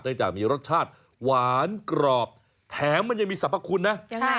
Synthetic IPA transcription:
t̪̚nɯː˥˧ŋt͡ɕaː˨˩k̚miː˧ɾo˦˥t̪̚t͡ɕʰaː˥˩t̪̚ | waː˩˦nkɾɔː˨˩p̚ | t̪ʰɛː˩˦mːa˧nja˧ŋmiː˧sa˨˦pːa˧kʰu˧nːa˦˥ʔ

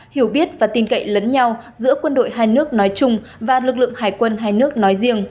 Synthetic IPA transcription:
hi˧˩əwɓi˦˥ət̚vaː˨˩t̪i˧˩nkə̰˧˨jlə˨˦nɲa˧wzɨ̰˧˥əkwə˧nɗo̰˧˨jɦaː˧jnɨ˦˥ək̚nɔ˨˦jt͡ɕʊ˧ŋ͡m | vaː˨˩lɨ˨˩k̚lɨ̰˧˨əŋɦaː˧˩jkwə˧nɦaː˧jnɨ˦˥ək̚nɔ˨˦jzḭ˧˨əŋ

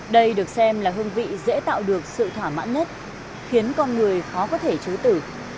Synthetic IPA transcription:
ɗə˧jɗɨ˨˩ək̚sɛ˧mlaː˨˩ɦɨ˧ənvḭ˧˨zḛ˧˥t̪a̰ː˧˨wɗɨ˨˩ək̚sɨ̰˧˨t̪ʰwaː˧˩ma̰ː˧˥nɲə˦˥t̚ | xi˨˦ənkɔ˧nŋɨ˨˩əjxɔ˨˦kɔ˨˦t̪ʰe˧˩t͡ɕɨ˨˦t̪ɨ˧˩

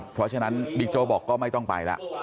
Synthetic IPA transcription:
pʰɾɔ˦˥t͡ɕʰa˧na˦˥nbiː˨˧˩k̚t͡ɕoː˧˩bɔː˨˩kːɔː˥˩ma˥˩jt̪ɔ˥˩ŋpa̰˨˧jlɛ̰˦˥ʔ

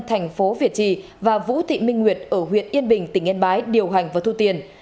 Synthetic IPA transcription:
t̪ʰjŋ̟fo˨˦vi˨˩ət̚t͡ɕḭ˧˨ | vaː˨˩vṵ˧˥t̪ʰḭ˧˨mï˧ŋŋwi˨˩ət̚ʔəː˧˩ɦwḭ˧˨ənʔi˧ənɓï˨˩ŋ̟t̪ï˧˩ŋʔɛ˧nɓaː˨˦jɗi˨˩əwɦa˨˩jŋ̟vaː˨˦t̪u˧t̪i˧ən

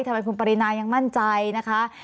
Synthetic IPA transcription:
t̪ʰa˧ma˧jkʰu˧npa˧ɾi˦˥naː˧ja˧ŋma˥˩nt͡ɕa˧jna˦˥kʰa˦˥

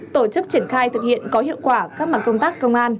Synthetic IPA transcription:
t̪o˧˩t͡ɕɨ˦˥k̚t͡ɕi˧˩ənxaː˧jt̪ʰɨ˨˩k̚hḭ˧˨ənkɔ˨˦ɦḭ˧˨wkwaː˧˩kaː˦˥k̚ma˨˩t̚kə˧ŋ͡mt̪aː˦˥kːə˧wŋ͡mʔaː˧n

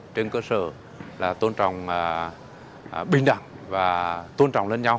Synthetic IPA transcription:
t͡ɕe˧nkəː˧sə̰ː˧˩ | laː˨˩t̪o˧nt͡ɕɔ̰˧˨wŋ͡m | ɓï˧˩ŋ̟ɗa̰˧˩ŋ | vaː˨˩t̪o˧nt͡ɕɔ̰˧˨wŋ͡mle˧nɲa˧w

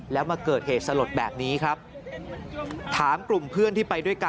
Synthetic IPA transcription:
lɛː˦˥wmaː˧kɤː˨˩t̪̚heː˨˩t̪̚sa˧lo˨˩t̪̚bɛ̰ː˨˩p̚niː˦˥kʰɾa˦˥p̚ | t̪ʰaː˩˦mklu˨˩mpʰɯ˥˩ənt̪iː˥˩pa˧jdu˥˩əjka˧

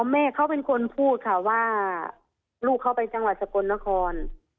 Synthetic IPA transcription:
ɔ˧mɛː˧˩˨kʰa˧˥˩wpe˧nkʰo˧npʰuː˥˩t̪̚kʰa˧˩waː˧˥˩ | luː˥˩kʰːa˧˩wpa˧jt͡ɕa˧ŋwa˨˩t̪̚sa˧ko˧nːa˧˥˩kʰɔː˧n

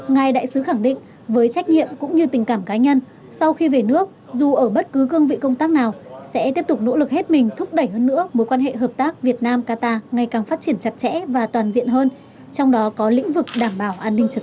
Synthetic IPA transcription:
ŋa˨˩jɗa̰ː˧˨jsɨ˨˦xa˧˩ŋɗḭ̈˧˨ŋ̟ | vəː˨˦jt͡ɕa˦˥jk̟̚ɲḭ˧˨əmkʊ̰˧˥ŋ͡mɲɨ˧t̪ï˨˩ŋ̟kaː˧˩mkaː˨˦ɲə˧n | sa˧wxi˧ve˨˩nɨ˦˥ək̚zu˨˩ʔəː˧˩ɓə˦˥t̚kɨ˨˦kɨ˧əŋvḭ˧˨kə˧wŋ͡mt̪aː˦˥k̚naː˨˩wsɛ̰˧˥t̪i˦˥əp̚t̪ʊ˨˩k͡p̚no̰˧˥lɨ˨˩k̚he˦˥t̚mï˨˩ŋ̟t̪ʰʊ˦˥k͡p̚ɗə˧˩jhəː˧nːɨ̰˧˥əmo˨˦jkwaː˧nɦḛ˧˨ɦəː˨˩p̚t̪aː˦˥k̚vi˨˩ət̚naː˧mkaː˧t̪aː˧ŋa˨˩jkaː˨˩ŋfaː˦˥t̚t͡ɕi˧˩ənt͡ɕa˨˩t̚t͡ɕɛ̰˧˥vaː˨˩t̪waː˨˩nzḭ˧˨ənɦəː˧n | t͡ɕɔ˧wŋ͡mɗɔ˨˦kɔ˨˦lḭ̈˧˥ŋ̟vɨ˨˩k̚ɗaː˧˩mɓaː˧˩wʔaː˧nːï˧ŋ̟t͡ɕə˧˨˩

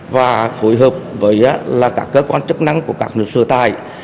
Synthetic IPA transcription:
vaː˨˩fo˨˧˦jɦəː˨˩p̚vəː˨˦jʔaː˨˧˦laː˨˩kaː˦˥kːəː˨˧˥kwaː˧nt͡ɕɨ˦˥k̚na˧ŋku˧˩əkaː˦˥k̚nɨ˧˩k̚sɨ˧˩t̪a̰ː˧˩j

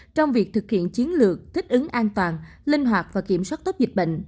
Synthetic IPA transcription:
t͡ɕɔ˧wŋ͡mvi˨˩ək̚t̪ʰɨ˨˩k̚hḭ˧˨ənt͡ɕi˨˦ənlɨ˨˩ək̚t̪ʰï˦˥k̟̚ʔɨ˨˦ŋʔaː˧nt̪waː˨˩n | lï˧ŋ̟ɦwaː˨˩t̚vaː˨˩ki˧˩əmswaː˦˥t̚t̪o˦˥p̚zi˨˩k̟̚ɓə̰˧˨ŋ̟

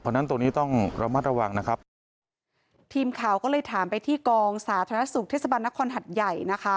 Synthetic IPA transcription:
pʰɔː˧˩na˦˥nt̪o˧ŋniː˦˥t̪ɔ˥˩ŋɾʔa˧ma˦˥t̪̚ɾa˧wa˧ŋna˦˥kʰɾa˦˥p̚ | t̪ʰiː˧mkʰaː˨˩˦wkɔː˥˩lɤː˧jt̪ʰaː˩˦mpa˧jt̪ʰiː˥˩kɔː˧ŋsaː˩˦t̪ʰa˧na˥su˨˩k̚t̪ʰe˥˩sa˧ba˧nːa˦˥kʰɔː˧nɦa˨˩t̪̚ja˨˩jna˦˥kʰa˦˥

